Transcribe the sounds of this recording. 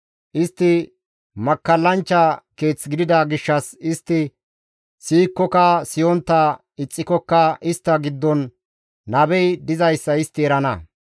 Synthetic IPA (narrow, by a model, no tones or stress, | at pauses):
ʔɪst̪ːɪ | mɐkːɐlːɐnt͡ʃːɐke̞ːt͡sːɡɪd̪ɪd̪ɐɡɪʃːɐsɪst̪ːɪ | siːkːɔkɐsɪjɔnt̪ːɐ | ɪt͡sʼːɪkɔkːɐʔɪst̪ːɐɡɪd̪ːɔnː | ɐbɛjd̪ɪzɐjsːɐɪst̪ːɪɛɾɐnɐ̰